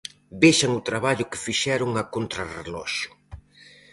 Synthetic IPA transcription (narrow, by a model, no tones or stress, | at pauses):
beʃɐŋʊt̪ɾaβaʎʊkɪ̥fiʃɛɾʊŋakont̪ɾarelɔ̰ʃʊ̥